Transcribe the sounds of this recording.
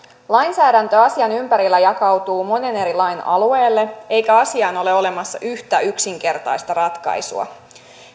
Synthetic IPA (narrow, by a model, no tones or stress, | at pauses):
lɑjnsæːdænt̪ø̞ɑsiɑnympæɾilːæjɑkɑwt̪uːmo̞ne̞ne̞ɾilɑjnɑ̰lue̞ːlːe̞e̞jkæɑsiɑːno̞le̞o̞le̞mɑsːɑʔyht̪æyksiŋk̟e̞rt̪ɑjst̪ɑrɑt̪kɑ̰jsṵɑ̰